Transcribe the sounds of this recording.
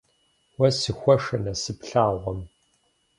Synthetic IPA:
wɐsɨxʷɔʂɐnɐsɨpɬaːʁʷɔm

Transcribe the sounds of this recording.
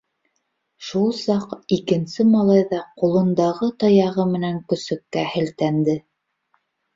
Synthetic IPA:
ʃulˠsɑqikɘ̆nsɘmɑlˠɑjðɑqulˠɤ̆nd̪ɑʁɤt̪ɑjɑʁɤmɘ̆næŋkɵ̆sɵ̆kːæhɘ̆lt̪ænd̪ɘ

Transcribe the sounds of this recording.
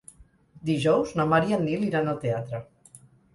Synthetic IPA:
d̪iʒɔwznamaɾianiliɾanat̪eat̪ɾa

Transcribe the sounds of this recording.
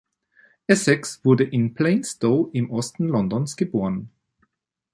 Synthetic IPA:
ʔɛsɛksv̥ʊɐdəʔɪnpʰl̥eɪnstoːʔɪmʔɔstn̩lɔndɔnsɡ̥əboːʁən

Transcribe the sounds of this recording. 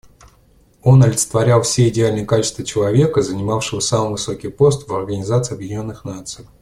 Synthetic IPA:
o̞nɐlʲɪt̪sə̥t̪vɐɾʲalˠfsʲeɪdʲɪalʲnɨjəkat͡ɕɪ̥st̪vət͡ɕɪlˠɐvʲe̞kəzənʲɪmafʂɨvəsamɨvɨso̞kʲɪjpo̞st̪vɐrɡənʲɪzat̪sɨɪɐbjɪdʲɪnʲo̞nːɨxnat̪sɨj

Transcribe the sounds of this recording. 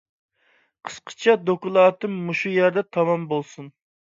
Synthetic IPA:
qʰə̥sqʰə̥t͡ʃʰɛd̪okulˠɑːt̪ɨmːuʃujæɾd̪ɛt̪ʰɑmɑmbolˠsun

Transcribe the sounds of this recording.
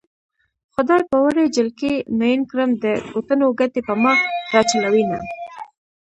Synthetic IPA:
xʊd̪ɑjpəwəɾed͡ʒɪlkinojɪnkɾəmd̪əkot̪ənoɡat̪epəmɑɾɑt͡ʃalawina̰

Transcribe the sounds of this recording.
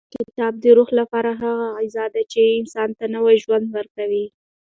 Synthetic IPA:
kɪt̪ɑb̚d̪əɾuxlapɑɾaɦaɣaajzɑd̪at͡ʃeɪnsɑnt̪anəwajʒwand̪wəɾkawi

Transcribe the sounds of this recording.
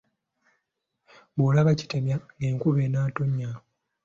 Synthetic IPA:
bolaβaci̥te̞mjaŋɡe̞ːŋkuβe̞ːnaːtoɲːao

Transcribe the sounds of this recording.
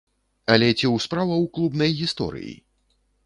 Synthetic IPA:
ɐlʲɛt͡sʲiwspɾavɐwklˠubnɐjɣʲist̪ɔ̰ɾɨ̰jḭ

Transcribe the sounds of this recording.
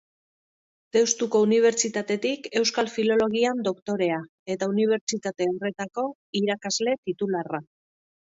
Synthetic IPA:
t̪e̞wst̪uko̞uniβ̞e̞ɾt͡ʃit̪at̪e̞t̪ike̞wskalfilo̞lo̞ɣ̞iand̪o̞kt̪o̞ɾe̞a | e̞t̪auniβ̞e̞ɾt͡ʃit̪at̪e̞ore̞t̪ako̞ | iɾakazle̞t̪it̪ulara

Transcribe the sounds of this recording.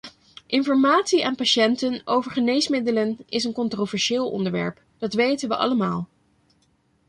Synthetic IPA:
ʔɪnfɔɹmaːtsiʔaːnpaʃɛntənowvəɹχənejsmɪdələnɪsənkɔntrovɛɹʃɪːlˠɔ̰ndəɹʋɛ̰ɹp | d̥ɑtʋejtənʋəʔɑ̰ləmaːlˠ

